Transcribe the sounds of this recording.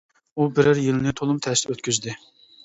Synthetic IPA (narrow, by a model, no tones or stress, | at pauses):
ubɪɾɪɾjilnɪt̪ʰolˠumt̪ʰɛst̪ɛøt̪kʲʰyzd̪ɪ